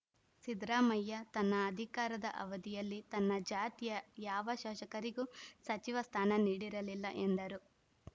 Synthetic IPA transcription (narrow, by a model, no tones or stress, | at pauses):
sid̪ɾaːmɐjːɐt̪ɐnːɐːd̪ʱikaːɾɐd̪ɐ̰ʔɐ̰ʋɐd̪ijɐlːit̪ɐnːɐd͡ʒaːt̪ijɐjaːʋɐʃaːʃɐkɐɾiɡusɐt͡ʃiʋɐst̪ʰaːnɐniːɽiɾɐlilːɐʔend̪ɐɾu